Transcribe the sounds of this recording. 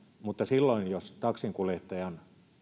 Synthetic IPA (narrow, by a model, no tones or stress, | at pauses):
mut̪ːɑsilːoinjost̪ɑksiŋkuleht̪ːɑjɑn